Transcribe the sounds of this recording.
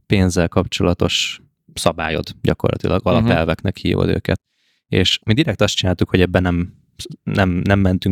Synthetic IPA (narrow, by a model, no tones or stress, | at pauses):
peːnzɛlkɒpt͡ʃo̞lɒt̪o̞ʃ | sɒba̰ːjo̞̰d̪ɟɒko̞̰rlɒ̰t̪ilɒɡɒlɒpɛlvɛknɛkhḭːvo̰d̪ø̰ːkɛt̪ | ḛːʃmid̪iɾɛk̚t̪ɒst̪t͡ʃinaːlt̪ukhoɟɛbːɛnɛm | nɛmnɛmːɛnt̪yŋ